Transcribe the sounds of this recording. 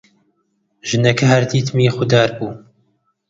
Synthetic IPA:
ʒ̥ɨnɛkʰɐhɐɾd̪iːt̪ʰmiːxʊd̪aːɾbuː

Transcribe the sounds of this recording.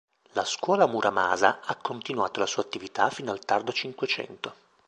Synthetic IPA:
laskwɔːlamuɾʔama̰ːzaakːont̪inwaːt̪olasuːat̪ːivit̪afiːnoalt̪ard̪ot͡ʃiŋkwet͡ʃɛ̰nt̪o

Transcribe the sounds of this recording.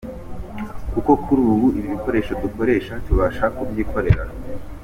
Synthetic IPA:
kuko̞kʰuɾuːβuiβiβiko̞ɾe̞ːʃoduko̞ɾe̞ːʃatuβaʃakubjiːkʰo̞ɾe̞ɾa

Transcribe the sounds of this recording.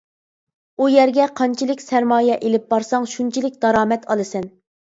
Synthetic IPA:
ujæɾɡʲɛqʰɑnt͡ʃʰilɪkʲsæɾmɑːjɛʔelɪp̚bɑɾsɑŋʃunt͡ʃʰilɪk̚ʲd̪̥ɑɾɑːmɛt̪ʰɑlˠɨsɛn

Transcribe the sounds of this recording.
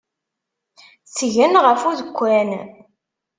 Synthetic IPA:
t͡sːʝənʁəfuðəkʷːæn

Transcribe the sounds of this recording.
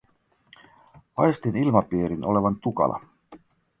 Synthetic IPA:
ɑjest̪inilmɑpiːɾinʔo̞le̞ʋɑnt̪ukɑ̰lʔɑ̰

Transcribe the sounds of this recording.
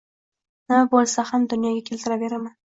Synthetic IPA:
nɪbolˠsahamd̪ʊnjɒɡʲakʲʰe̞lt̪ʰɪɾaveɾaman

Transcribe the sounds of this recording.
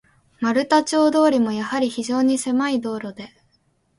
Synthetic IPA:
maɾɯ̟t̪at͡ɕo̞ːd̪o̞ːɾʲimo̞jahaɾʲiçiʑo̞ːɲ̟ise̞maid̪o̞ːɾo̞d̪e̞

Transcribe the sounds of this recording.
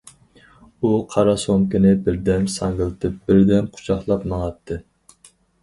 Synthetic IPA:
uqʰɑɾɑsoŋkʲɪnɪbɪɾd̪ɛnsɑŋɡəlˠt̪ʰɨp̚bɪɾd̪ɛnqʰʊ̥t͡ʃʰɑχlˠɑpmɑŋɑt̪ʰːɨ

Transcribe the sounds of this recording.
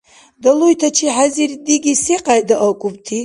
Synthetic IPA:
dalujtʰat͡ʃʰiħazirdiɡʲiseqʼajdaʔakʼup̚tʰi

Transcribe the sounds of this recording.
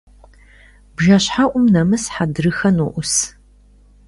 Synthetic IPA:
bʒɐɕħaʔʷʊmnɐmɨsħadɨɾɨxɐnuʔʷʊs

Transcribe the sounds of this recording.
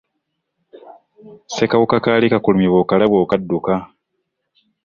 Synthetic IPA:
sekaβukakaːlikakulumiβoːkalaβoːkadːuka

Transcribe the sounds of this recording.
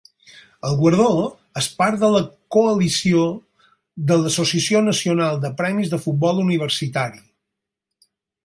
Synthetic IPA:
əlˠɣwəɾð̞o | əspaɾd̪ələkuəlisio | ðələsusiəsionəsiunalˠd̪əpɾɛmizðəfut̪̚bɔlˠuniβ̞əɾsit̪aɾi

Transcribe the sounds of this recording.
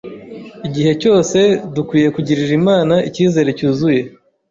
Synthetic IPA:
iɟihe̞co̞ːse̞dukwiːje̞kuɟiɾiɾimaːnaʔiciːze̞ɾe̞cuːzuje̞

